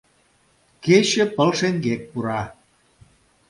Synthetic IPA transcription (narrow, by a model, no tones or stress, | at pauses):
ket͡ɕĕpəlʃeŋɡek̚puɾɑ